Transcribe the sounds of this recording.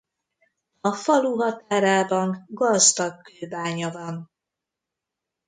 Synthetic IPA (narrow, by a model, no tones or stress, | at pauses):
ɒfɒluɦɒt̪aːɾaːbɒŋɡɒzd̪ɒkːøːbaːɲɒvɒn